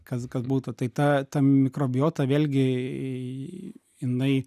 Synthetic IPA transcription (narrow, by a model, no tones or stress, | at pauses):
kɐskɐsbuːt̪ʊt̪ɐɪt̪ɐt̪ɐmʲɪkɾoːbʲɪjoːt̪ɐʋʲeːlʲɡʲɪ | jɪnɐɪ